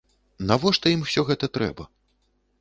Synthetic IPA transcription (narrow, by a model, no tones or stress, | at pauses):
navɔʂt̪ɐimwsʲɔɣɛt̪ɐt̪ɾɛ̰bɐ